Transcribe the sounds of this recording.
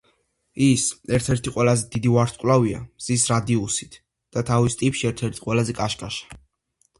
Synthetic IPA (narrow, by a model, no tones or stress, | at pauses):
isɛɾt̪ʰɛɾt̪ʰiqʼwɛlazɛd̪id̪ivaɾt̪ʰkʼlavia̰mz̥isɾad̪iusit̪ʰ | d̪̥at̪ʰavist̪ʼipʃiɛɾt̪ʰɛɾt̪ʰi̥qʼwɛlazɛkʼaʃkʼaʃḁ